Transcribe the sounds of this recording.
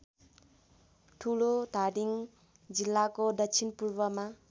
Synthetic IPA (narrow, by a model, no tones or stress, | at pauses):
ʈʰulod̪ʱaɖiŋ | d͡zilːakod̪ʌt͡ʃʰinpurbʌma